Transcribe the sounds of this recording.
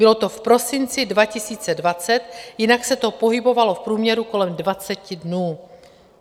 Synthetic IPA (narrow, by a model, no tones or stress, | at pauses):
bɪlo̞t̪o̞fpɾo̞sɪnt͡sɪdvacɪsiːt͡sɛdvat͡sɛt̪jɪnaksɛt̪o̞po̞ɦɪbo̞valo̞fpɾuːmɲɛɾuko̞lɛmdvat͡sɛcɪdnuː